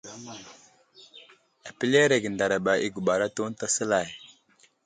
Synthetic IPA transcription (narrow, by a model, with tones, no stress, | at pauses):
a˨pi˦le˦ɾe˨ɡə˨nda˨ɾa˨ba˨i˦ɡu˨ɓa˨ɾa˦to˦n˦ta˦sə˦la˨j